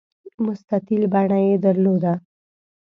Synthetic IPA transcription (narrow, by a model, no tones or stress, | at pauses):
mʊst̪akilbaɽ̃ajed̪əɾlod̪a